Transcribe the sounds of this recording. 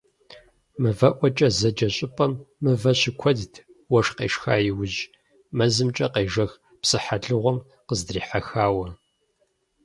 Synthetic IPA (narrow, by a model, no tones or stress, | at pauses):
mɨvɐʔʷɔt͡ʃʼɐzɐd͡ʒɐɕʼɪpʼɐmːɨvɐɕɪkʷʰɔdtʰ | wɐʂqḛːʂxaːjɪwʊʑ | mɐzɨmt͡ʃʼɐqeːʒɐx | psɨħaɮɨʁʷɔm | qəzdriːħaxaːwɐ